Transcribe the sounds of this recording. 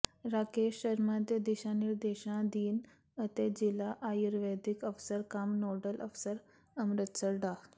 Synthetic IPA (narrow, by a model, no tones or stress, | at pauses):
ɾakeɕːəɾmad̪ed̪iɕaniɾd̪eɕɳãd̪iːn | ət̪ed͡ʑilaʔajuɾʋed̪ikəfsəɾkamnoɖəlʔəfsəɾ | əmɾət̪səɾɖa